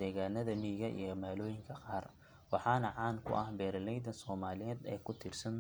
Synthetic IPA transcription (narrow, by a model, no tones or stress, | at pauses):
d̪̥ɛːɣaːnɐðɐmiːɣɐʔḭjɔmaːlɔːjɪŋkʰɐqɑːr | wɑħɑːnɐʕɑːnkʰʊ̰ʔɐhbɛːɾlɛjd̪ɐnsɔːmaːlɪjɛːd̪ɛːkʰʊt̪ʰiːrsɐn